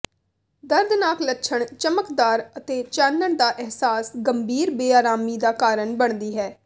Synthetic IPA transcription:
d̪əɾd̪naːklətːʃʰəɳt͡ʃəməkd̪aːɾət̪eːt͡ʃaːnːəɳd̪aːʔɪɦsaːsɡəmbʱiːɾbeːaːɾaːmiːd̪aːkaːɾəɳbəɳ̃d̪iːɦɛː

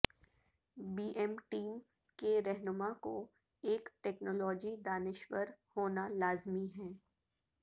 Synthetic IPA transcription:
biːʔɛmʈiːm | keɾɛɦnʊmako | eːkʈɛːknɔːlɔːd͡ʒid̪aːnɪʃwəɾhoːnalaːzmiɦɛ̃ː

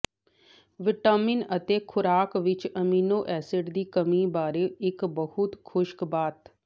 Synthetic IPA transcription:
ʋɪʈəːmɪnət̪eːkʰʊɾaːkʋɪt͡ʃəmiːnoːʔɛːsɪɖd̪iːkəmiːbaːɾeːɪkbəhʊt̪kʰʊʃkbaːt̪

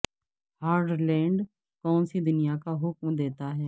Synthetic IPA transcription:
haːɾɖlɛ̃ːɳɖ | kɔːnsid̪ʊnijakaɦʊkmd̪eːt̪aɦɛː

